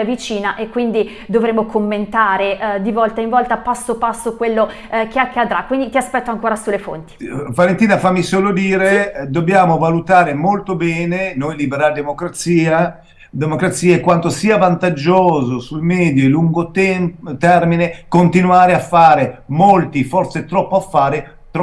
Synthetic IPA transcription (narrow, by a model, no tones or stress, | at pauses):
vit͡ʃiːnaʔekːwind̪i | d̪ovɾeːmokʰomːent̪aːɾed̪ivɔlt̪aiɱvɔlt̪apasːopasːokwelːo | keakːad̪ɾakːwind̪it̪iaspɛt̪ːoaŋkoːɾasulːefo̰nt̪i̥valent̪iːnafamːisoːlod̪iːɾed̪obːjaːmovalut̪aːɾemolt̪obɛːnenojlibeɾald̪emokɾat̪siːa | d̪emokɾat̪sːiːaekːwant̪osiːavant̪ad͡ʒoːzosujmɛːd̪joluŋɡot̪t̪ɛrminekont̪inuaːɾeafːaːɾemolt̪ifɔrt̪set̪ɾɔpːoafːaːɾe | t̪ɾ